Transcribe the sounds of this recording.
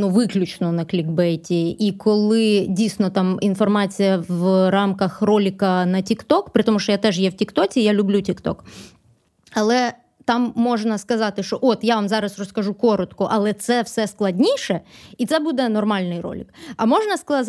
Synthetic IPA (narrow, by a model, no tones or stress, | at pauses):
nuʋɪklʲʊt͡ʃnɔnɐklʲiɡbɛjtʲiikʰɔlˠɪdʲijsnɔt̪ɑminfɔrmɑt͡sʲijɐʋɾɑmkɐxrɔlʲɪkɐnɐtʲikt̪ɔkpɾɨt̪ɔmuʃt͡ʃɔjat̪ɛʒjɛwtʲikt̪ɔt͡sʲiːjalʲʊblʲutʲikt̪ɔ̰k | ɐlˠɛ | t̪ɑmːɔʒnɐskɐzɑt̪ɪʃt͡ʃɔʔɔt̪jaʋamzɑɾɐsrɔskɐʒukɔɾɔt̪kɔʔɐlˠɛt̪sɛwsɛsklˠɐdʲnʲiʃɛit̪sɛbud̪ɛnɔrmɑlʲnɪjɾɔ̰lʲɪ̰kɐmɔʒnɐsk̪ˠ